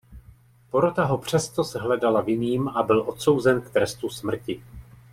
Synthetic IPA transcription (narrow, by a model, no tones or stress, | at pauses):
po̞ɾo̞t̪aɦo̞pr̝̥ɛst̪o̞sɦlɛdalavjɪniːmʔabɪlʔo̞t̪so̞wzɛnkt̪ɾɛst̪usmr̩cɪ